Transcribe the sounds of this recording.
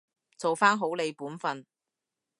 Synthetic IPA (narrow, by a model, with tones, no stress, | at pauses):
t͡so˨wfaː˥nɦo˨˥wle˨˧jpuː˨˥nfɐ˨n